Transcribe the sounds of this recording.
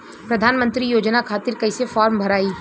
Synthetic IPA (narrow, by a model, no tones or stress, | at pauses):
pɾɐd̪ʱaːnmə̃nt̪ɾijoːd͡ʒnakʰaːt̪ɪɾkɐɪsefɔːɾmbʱɐɾaːiː